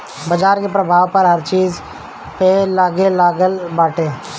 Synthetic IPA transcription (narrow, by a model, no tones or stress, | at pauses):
bəd͡ʒaːɾkepɾəbʱaːʋpɐɾɦɐɾt͡ʃiːz | pelaːɡelaːɡəlbaːʈeː